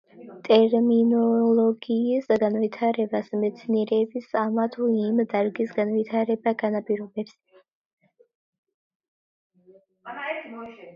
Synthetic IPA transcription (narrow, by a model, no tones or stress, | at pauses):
t̪ʼɛɾminɔlɔɡiːsɡanvit̪ʰaɾɛbasmɛt̪sʰniɛɾɛːbisamat̪ʰuimd̪aɾɡisɡanvit̪ʰaɾɛbaɡanapʼiɾɔbɛps